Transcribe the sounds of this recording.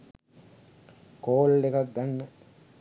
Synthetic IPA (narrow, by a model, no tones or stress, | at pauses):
koːlɖekak̚d̪anmə